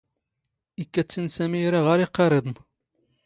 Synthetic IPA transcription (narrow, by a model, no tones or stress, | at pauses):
ikːæt͡sːinsæmiɾaʁaɾiqːɑɾˤed̪ˤn